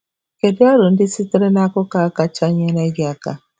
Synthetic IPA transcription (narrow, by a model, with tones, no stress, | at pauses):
ke˨di˦a˦ɾo˨n̩˦dɪ˦si˦ti˦ɾe˦na˦kɔ˦ka˦ka˦t͡ʃa˦ɲe˦na˦ɡa˦ka˦